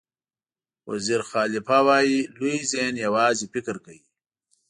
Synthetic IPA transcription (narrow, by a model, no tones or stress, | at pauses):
wa̰ziɾxaːlɪfawaːjiluizenjawaːzifikɾkai